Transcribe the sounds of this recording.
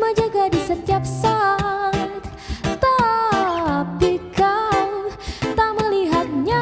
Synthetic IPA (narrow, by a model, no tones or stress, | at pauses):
mad͡ʒaɡadisət̪iap̚sa | t̪̚ | t̪a | pikalt̪aməliɦat̪̚ɲa